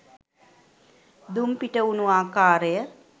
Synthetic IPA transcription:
d̪umpiʈəunuaːkaːɾəjə

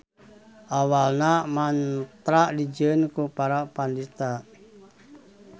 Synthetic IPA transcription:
ʔawalnamant̪ɾaʔdid͡ʒənkupaɾapandit̪a

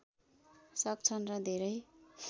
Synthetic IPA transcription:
sʌk̚t͡sʰʌnrʌd̪ʱeɾʌj

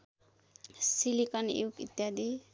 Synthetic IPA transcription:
silikʌnḛwkḭt̪jad̪i

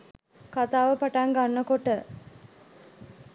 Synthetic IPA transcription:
kat̪aːʋəpaʈaŋɡanːəkoʈə

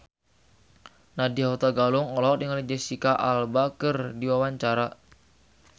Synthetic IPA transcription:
nadiaɦut̪aɡalʊŋɔlɔk̚diŋalid͡ʒɛsikaʔalbakərdiwawaɲt͡ʃaɾa

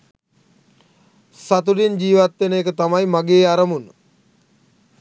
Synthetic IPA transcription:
sat̪̬uɖind͡ʑiːʋat̪ʋenəekət̪amajmaɡeːaɾəmunə

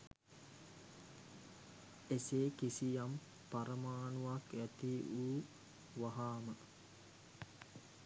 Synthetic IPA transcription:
eseːkisijam | paɾəmaːnuʋakæt̪iʔuː | ʋaɦaːmə

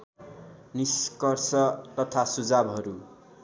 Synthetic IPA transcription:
niskʌrsʌt̪ʌt̪ʰasud͡zabɦʌɾu

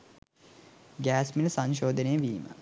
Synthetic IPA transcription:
ɡæːsmiləsaɲʃoːd̪ənejəʋiːmə̰

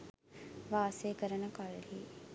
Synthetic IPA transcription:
ʋaːseːkəɾənəkalliː

